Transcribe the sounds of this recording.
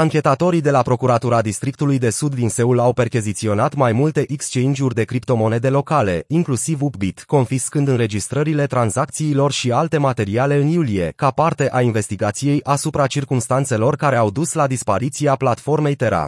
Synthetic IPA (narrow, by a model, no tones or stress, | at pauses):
aŋkʲe̞t̪at̪o̞ɾid̪e̞lapɾo̞kuɾat̪uɾad̪ist̪ɾik̚t̪ulujd̪e̞sud̪ːinse̞ulawpe̞rkʲizit̪sio̞nat̪majmult̪e̞ʔikst͡ʃeind͡ʒurʲd̪e̞kɾipt̪o̞mo̞ne̞d̪e̞lo̞kale̞iŋklusivupbit̪ko̞nfiskɨnd̪ɨnɾe̞d͡ʒist̪ɾəɾile̞t̪ɾanzak̚t̪siːlo̞rʃialt̪e̞mat̪e̞ɾiale̞ɨnjulije̞kapart̪e̞ʔainve̞st̪iɡat̪sije̞jʔasupɾat͡ʃirkumst̪ant̪se̞lo̞rkaɾe̞awd̪uslad̪ispaɾit̪siaplat̪fo̞rme̞jt̪e̞ɾa̰